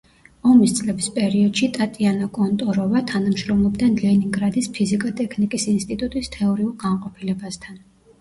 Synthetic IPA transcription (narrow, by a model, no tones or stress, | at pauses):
ɔmist̪sʼlɛbispʼɛɾiɔd̪̥ʃit̪ʼat̪ʼianakʼɔnt̪ʼɔɾɔvat̪ʰanamʃɾɔmlˠɔbd̪ɛnlɛniŋɡɾad̪ispʰizikʼat̪ʼɛkʰnikʼisinst̪ʼit̪ʼut̪ʼist̪ʰɛɔɾiulˠɡanqʼɔpʰilɛbast̪ʰan